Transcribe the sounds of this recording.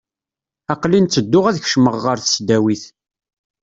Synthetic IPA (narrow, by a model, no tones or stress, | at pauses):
ɑqlint͡sːəd̪ːʊʁæðçʃməʁːəɾθə̥sd̪æwiθ